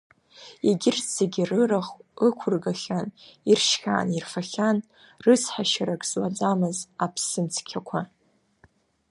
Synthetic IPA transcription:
iɡʲɪrt͡seɡʲirɨraχɨkʷʰʊrɡaχʲanirʃkʲa̰ːnirfaχʲan | rɨt͡sʰħaʃaɾakʰʼz̥wad͡zʼamɨzapʰsɨmt͡sʰkʲʰakʷʰa

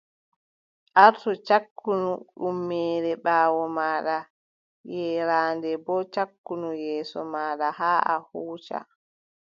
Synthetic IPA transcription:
ʔaɾtɔt͡ʃakːunuɗumːɛːɾɛɓaːwɔmaːɗa | jɛɾaːndɛbɔt͡ʃakːunujɛːsɔ̰maːɗahaːʔa̰huːt͡ʃa̰

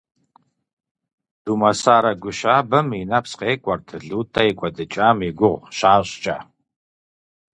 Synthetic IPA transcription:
d̥uːmɐsaːɾɐɡʷʊʃaːbɐminapsqeːkʷʼɔrtʰɨɮuːtʰaɪkʷʼɔdɨt͡ʃʼaːmiɡʷʊʁɕaːɕʼt͡ʃʼa̰ː

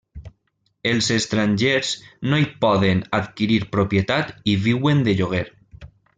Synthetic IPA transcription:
elˠzest̪ɾaɲʲʒeɾz̥noipɔðenat̪kiɾiɾpɾopjet̪at̪iβiwend̪eʎoɣ̞eɾ

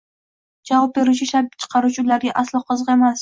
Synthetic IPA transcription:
d͡ʒavɑp̚be̞ɾut͡ʃʰɪʃat͡ʃʰɨ̥qʰɑɾut͡ʃʰɪʊlaɾɡʲaʔaslˠɒqʰɨzʁemas

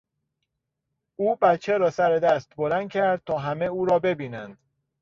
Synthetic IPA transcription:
uːbæt̪t͡ʃʰːeɾɒːsæɾed̪æst̪bo̞lænd̪̥̚cʲʰæɾd̪̚t̪ʰɒːɦæmeuːɾɒːbe̞biːnænd̪̥

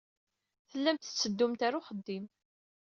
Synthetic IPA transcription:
θəlːæmt̪t͡sːəd̪ːʊmt̪aɾuχəd̪ːim

